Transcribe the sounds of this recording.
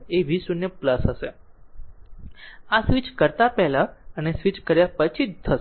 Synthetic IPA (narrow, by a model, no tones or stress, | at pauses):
eʋisunjepləsɦəʃe | asʋit͡ʃkəɾt̪apɛɦlaənesʋit͡ʃkəɾjapət͡ʃʰit̪ʰːə